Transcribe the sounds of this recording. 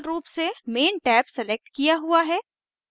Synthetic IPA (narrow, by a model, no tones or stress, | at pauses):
lɾuːpsemeːnʈɛːpsɛlek̚ʈkijaɦuaɦɛː